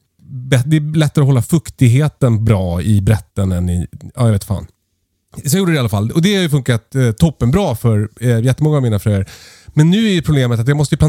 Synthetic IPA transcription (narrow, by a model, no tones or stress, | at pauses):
bɛd̪ɛːlɛt̪ːaɾəɔɦɔlːafɵkt̪ɪɡɦeːt̪ənbɾɑːɪbɾɛt̪ːənɛnːɪ̰ɑ̰ːjɑveːt̪fa̰ːn | sɔnjuːɖəd̪ɛalafalːɔd̪ɛhaɾjɵfɵŋkat̪t̪ʰːɔpːənbɾɑːfœɾjɛt̪ːəmɔŋːaːvmiːnafɾœjəɾmɛnːʉ̟ːæjəpʰɾʊbleːmət̪at̪jɑːmɔst̪əjʏp̪ʰa